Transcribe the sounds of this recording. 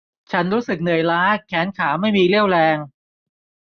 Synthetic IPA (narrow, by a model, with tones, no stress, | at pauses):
t͡ɕʰa˦˥nɾuː˦˥sɯ˨˩k̚nɯ˨˩əjlaː˦˥kʰːɛː˩˦nkʰaː˩˦ma˥˩jmiː˧li˥˩əwlɛː˧ŋ